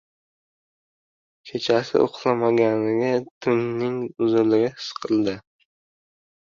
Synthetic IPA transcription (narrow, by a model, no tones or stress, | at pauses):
kʲʰe̞t͡ʃʰasɪ̰ʔoqlˠamaɡʲanɪɡʲat̪ʰɪmnɪŋʊzʊlɪɡʲahɪ̥sqʰɨlˠd̪ɪ